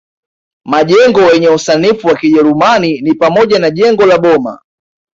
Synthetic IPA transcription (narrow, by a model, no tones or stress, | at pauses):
maʄɛŋɡɔwɛɲɛusanifuwakiʄɛɾumaninipamɔʄanaʄɛŋɡɔlaɓɔma̰